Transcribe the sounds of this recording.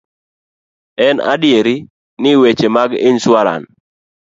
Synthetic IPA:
ɛna̰dɪjeɾi | nɪwet͡ʃemaɡɪnswaɾa̰n

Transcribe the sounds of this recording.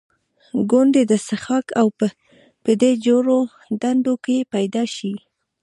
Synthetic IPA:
ɡond̪ed̪əsəxɑkawpə | pəd̪ed͡ʒoɾo | d̪and̪okepajd̪ɑʃi

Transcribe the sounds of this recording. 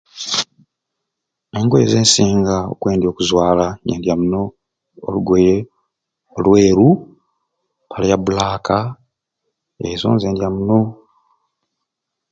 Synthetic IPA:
e̞ŋɡweeze̞ːnsiːŋɡao̰kwe̞ːndjo̞ːkuzwaːlajeːndjamuno̞̰ː | luɡweɾe | olwe̞ːɾu | pʰaljaβulaːka | ezo̰ːnze̞ːndjamuno̞

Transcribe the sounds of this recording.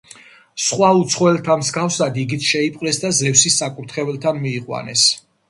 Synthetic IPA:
sχwaut̪sʰχɔɛlt̪ʰamzɡafsad̪iɡit̪sʰʃɛipʼqʼlɛsd̪azɛfsisakʼuɾt̪ʰχɛvɛlt̪ʰanmiːqʼwa̰nɛ̰s

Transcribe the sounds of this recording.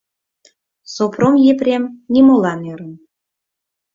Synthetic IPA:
sopromjeprʲemnʲimolɑneɾə̆n

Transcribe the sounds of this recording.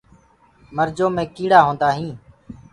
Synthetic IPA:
məɾd͡ʒoːmẽːkiːɽaːɦõːnd̪aːɦĩː

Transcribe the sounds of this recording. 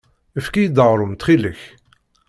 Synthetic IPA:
əfkijəd̪əʁɾˤʊmt̪χiləç

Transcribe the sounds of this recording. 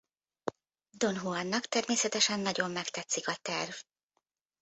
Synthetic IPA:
d̪o̞nɦuɒnːɒkt̪ɛrmeːsɛt̪ɛʃɛnːɒɟo̞mːɛkt̪ɛt̪sikɒt̪ɛrv

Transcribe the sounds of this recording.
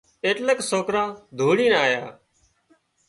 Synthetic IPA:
eːʈleksoːkɾãːd̪ʱuːɽiːnaːjaː

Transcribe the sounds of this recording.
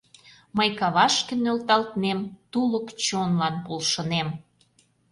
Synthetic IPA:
məjkɑβɑʃkĕnølt̪ɑlt̪nemt̪uləkt͡ɕonlɑnpolʃə̆nem

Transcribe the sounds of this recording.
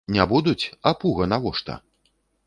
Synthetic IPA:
nʲabud̪ut͡sʲɐpuɣɐnavɔʂt̪ɐ̰

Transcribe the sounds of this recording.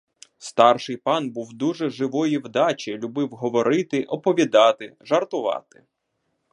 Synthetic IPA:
st̪ɑrʃɪjpɑnbuwd̪uʒɛʒɪʋɔjiwd̪ɑt͡ʃʲilʲʊbɪwɦɔʋɔɾɪt̪ɪʔɔpɔʋʲid̪ɑt̪ɪʒɐrt̪ʊʋɑ̰t̪ɪ̥

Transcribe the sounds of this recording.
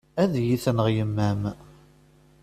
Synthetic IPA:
æðjiθnəʁjəmːæm

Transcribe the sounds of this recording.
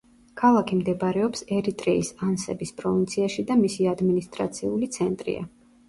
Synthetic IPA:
kʰalˠakʰimd̪ɛbɾɛɔpsɛɾit̪ʼɾɛisansɛbispʼɾɔvint̪sʰiaʃid̪amisiad̪minist̪ʼɾa̰t̪sʰiulit̪sʰɛnt̪ʼɾḭa̰

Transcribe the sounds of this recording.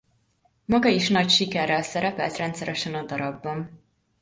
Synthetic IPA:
mɒɡɒiʃnɒcʃikɛrːɛlsɛɾɛpɛlt̪rɛnt̪sɛɾɛʃɛnɒd̪ɒɾɒbːɒn

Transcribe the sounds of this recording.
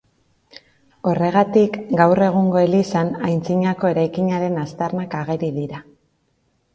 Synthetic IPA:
o̞re̞ɣ̞at̪ikɡawre̞ɣ̞uŋɡo̞elisanajnt͡siɲako̞e̞ɾajkiɲaɾe̞nast̪arnakaɣ̞e̞ɾiðiɾa

